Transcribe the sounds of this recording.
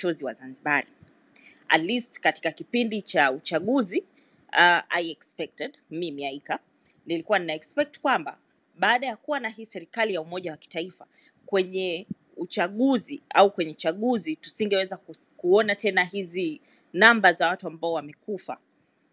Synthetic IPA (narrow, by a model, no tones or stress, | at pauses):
t͡ʃɔziwa̰zanziɓaɾi | a̰tlistkati̥kakipindit͡ʃaut͡ʃaɠuzi | aʔa̰iɛkspɛk̚tɛdmimiaika | nilikuwaninaɛkspɛk̚tkwamba̰ | ɓaːɗajakuwanahiːsɛɾikalijaumɔʄawaki̥taifa | kwɛɲɛ | ut͡ʃaɠuziaukwɛɲɛt͡ʃaɠuzitu̥siŋɡɛwɛzak | kuɔnatɛnaɦizi | nambazawatuambaɔwamɛkufa̰